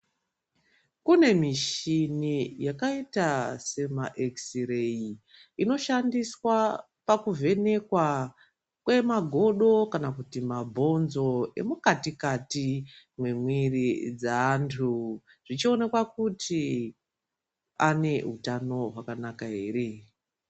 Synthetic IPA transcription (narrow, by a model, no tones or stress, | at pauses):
kune̞miʃinijakaitase̞maʔeksirei | ino̞ʃandiswa | pakuvʱe̞ne̞kwa | kwe̞maɡʱo̞ɗo̞kanakutimabʱo̞nzo̞e̞̰mukatikati | mwemwirid͡zaːntʰu | ʐ̥it͡ʃione̞kwakuti | ane̞ɦutano̞ɦwakanakaɦe̞re